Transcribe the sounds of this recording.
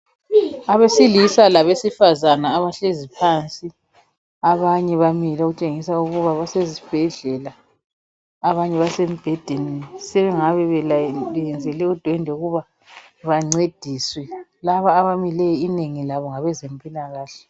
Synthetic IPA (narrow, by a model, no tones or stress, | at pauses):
aβesilisalaβesifazanaːβaɬezipʰant͡sʼi | aβaɲɛβamilɛɣut͡ʃʼeŋisauɣuβaβasezib̥ʱɛɮɛla | aβaɲɛβasemib̥ʱɛd̥ʱeninisɛβɛŋaβɛβɛɛjɛnd͡zʱɛlɛud̥ʱwɛndʱɛuɣuβa | βaŋ͡ǀed̥ʱiswɛlaβaːβamilɛineŋilaβɔŋaβɛzempʼilaɣaːɬɛ̥